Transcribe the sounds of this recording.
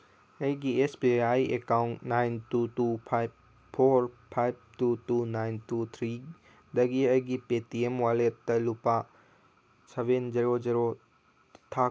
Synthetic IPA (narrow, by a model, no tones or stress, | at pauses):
ɐjɡiesbiaːiʔekaunnaɪntutupʰaɪb | pʰoɾpʰajb̚t̪utuːnaɪnt̪ut̪ʰɾiː | d̪ɐɡiɐɡipetiemʋaːlet̪ɐlupa | sɐʋend͡ʒɐɾod͡ʒɐɾo | t̪ʰa